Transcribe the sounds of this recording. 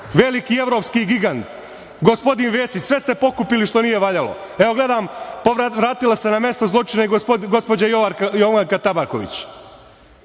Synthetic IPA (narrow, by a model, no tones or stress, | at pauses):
ʋe̞likie̞ʋɾo̞ːpskiɡiɡant̪ | ɡo̞spo̞d̪inʋe̞ːsit͡ɕsʋe̞st̪e̞po̞kupiliʃt̪o̞nije̞ʋaʎalo̞̰ | e̞o̞ɡle̞d̪aːmpoʋaʋɾaːt̪ilˠasenamje̞st̪ozlˠo̞t͡ʃineɡospo̞d͡ʑajoʋajoʋaŋkat̪abaɾko̞̰ʋḭt͡ɕ